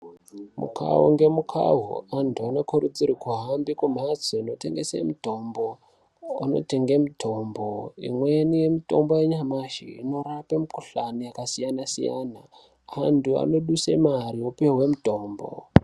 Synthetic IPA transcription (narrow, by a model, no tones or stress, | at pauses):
mṵkʰa̰wo̰ŋɡe̞mukʰa̰ɦṵantʰuano̞kʰuɾud͡zirikuɦambikum̤ad͡zoino̞te̞̰ŋɡesḛmuto̞mbo̞ | ano̞̰te̞ŋɡemutʰo̞mboḭmwenije̞mito̞mbo̞jeɲamaʒḭino̞rapemikuɬanijakasijanasija̰na | antua̰no̞ɗusemaɾiopewɦwe̞muto̞ːmbo̰